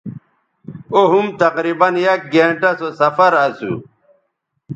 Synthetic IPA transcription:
oɦumt̪ɐqɾibɐnjɐk̚ɡeːɳʈɐsosɐfɐɾɐsṵ

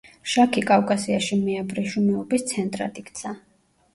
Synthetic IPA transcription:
ʃakʰikʼavkʼasiaʃimɛabɾɛʃunɛɔbist̪sʰɛnt̪ʼɾa̰t̪ʼikʰt̪sʰa

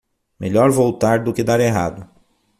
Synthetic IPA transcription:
meʎɔɾvowt̪aɾd̪ʊkɪd̪aɾeɦa̰d̪ʊ

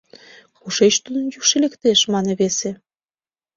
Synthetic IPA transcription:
xuʃet͡ɕt̪unənjukʃelekt̪eʃmɑneβese

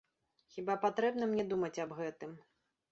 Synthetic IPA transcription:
xʲibapat̪ɾɛbnɐmnʲɛd̪umɐt͡sʲɐbɣɛt̪ɨm

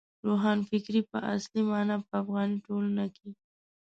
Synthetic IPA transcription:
ɾoɦɑnfɪkɾipə̰ʔa̰slimɑnɑpəafɣɑniʈolanake

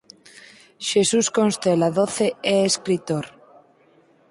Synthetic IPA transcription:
ʃesuskonst̪elaðoθeeeskɾit̪oɾ

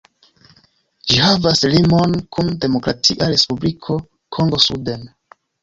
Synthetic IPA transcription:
d͡ʒihavaslimonkʰunde̞mo̞kɾa̰tʰiʔaɾe̞spublikʰo̞ | kʰo̞ŋɡo̞suden

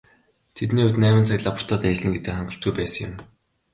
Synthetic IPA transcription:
t̪ʰet̪niːʊt̪næːmɪ̆nt͡sʰakʲɮapə̥̆r̥t̪ʰɔːt̪æt͡ɕɮɘ̆ŋɡet̪ɘ̆χaɴɡə̆r̥t̪̚ɡujpæːsə̆ŋjʊ̰m

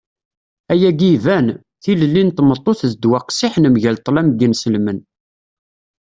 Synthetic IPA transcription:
æjæɡivæn | θiləlːint̪mət̪ˤːoθðd̪wæqsiħnəmʝælt̪ˤlæmɡinsəlmən

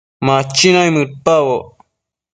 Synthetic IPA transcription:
mat͡ʃːinajmɨɾ̚pawo

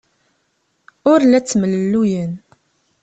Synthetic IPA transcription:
ʊɾlæt͡sːmələlːujən

